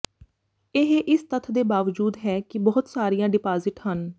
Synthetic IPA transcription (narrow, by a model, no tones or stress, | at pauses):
ɪɦeʔɪst̪ət̪ʰd̪eːbaːʋd͡ʒuːd̪ɦɛːkɪbɔːʊt̪saːɾijãːɖɪpaːzɪʈhən